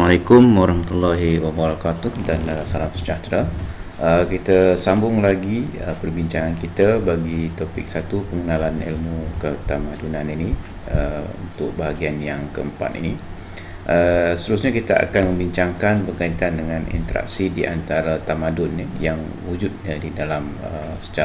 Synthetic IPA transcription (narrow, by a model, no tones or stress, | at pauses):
malekʊmwaɾahmat̪ulːaɦiwabaɾakat̪ʊhdanasalamsə̥d͡ʒat̪ɾaəkit̪asambʊŋlaɡiə̰pərbiɲt͡ʃaŋankit̪abaɡit̪opɪ̰k̚sat̪upəŋənalanḭlmukət̪amadunanini | əṵnt̪ʊk̚baɦaɡianjaŋkəəmpa̰t̪ḭni | ʔəsə̥t̪əɾusɲakit̪aa̰kanmə̃mbiɲt͡ʃaŋkanbərkait̪andəŋãnḭnt̪əɾa̰k̚sidiʔa̰nt̪aɾat̪amadʊnːijaŋ | wud͡ʒʊt̪̚ɲadidalam | ə̰ | sə̥t͡ʃa